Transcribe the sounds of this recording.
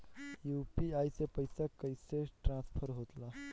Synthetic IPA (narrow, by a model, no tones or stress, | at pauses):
jupiajsepəjsakəjseʈɾãspʰəɾɦot̪la